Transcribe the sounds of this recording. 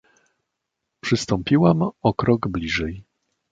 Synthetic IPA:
pʂɘst̪ɔmpʲiwamɔkɾɔɡblʲiʐɛj

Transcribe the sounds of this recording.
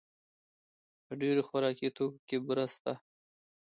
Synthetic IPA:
pəɖeɾexaɾɑkit̪okakebɾəst̪a

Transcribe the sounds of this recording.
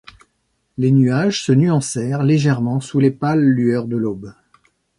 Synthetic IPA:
lenyaʒsənyɑ̃sɛʁleʒɛʁmɑ̃sulepalːyœʁd̪əlob

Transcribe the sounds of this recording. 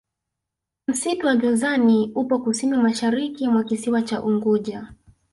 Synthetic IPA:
m̩situwaʄuzaniupɔkusinimaʃaɾikimwakisiwat͡ʃaʔuŋɡuʄa

